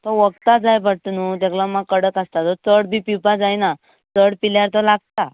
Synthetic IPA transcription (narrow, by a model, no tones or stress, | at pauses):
t̪ɔʋəɡ̚t̪ad͡zajbəʈ̪nut̪ɛklamakəɽək̪əst̪at̪ɔt͡səɽbʱipiwpad͡zajna | t͡səɽpiljaɾt̪ɔlaɡ̚t̪a